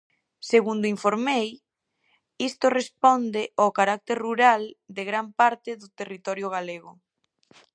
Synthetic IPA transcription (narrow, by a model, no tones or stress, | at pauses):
seɣund̪ʊiɱfoɾmej | ist̪orespɔnd̪eʔokaɾak̚t̪eɾruɾald̪eɣɾampaɾt̪ɪðʊt̪erit̪ɔɾjʊɣ̞aleɣʊ